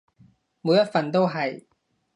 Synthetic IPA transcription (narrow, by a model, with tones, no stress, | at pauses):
muː˨˥jːɐ˥t̚fɐ˨nt̪o˥wɦɐ˨j